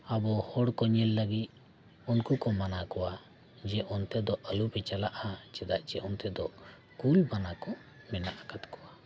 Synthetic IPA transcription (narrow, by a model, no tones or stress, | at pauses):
abɔhɔɽkɔɲɛlːəɡit̪̚ | unkukɔmanakɔwa | d͡ʒɛʔɔnt̪ɛd̪ɔʔəlubɛt͡ʃalaʔat͡ʃɛd̪aʔt͡ʃɛʔɔnt̪ɛd̪ɔ | kulbanakɔ | mɛnaʔakat̪kɔwa